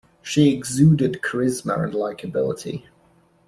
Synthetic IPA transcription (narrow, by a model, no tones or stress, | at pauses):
ʃiɪɡzʉːdɪd̚kʰəɹɪzmə̰ɹə̰̃nlaɪkʰəbɪ̰lˠɪ̰tʰḭ